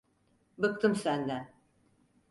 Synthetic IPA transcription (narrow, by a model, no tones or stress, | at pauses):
bɯk̚t̪ʰɯmsænd̪æn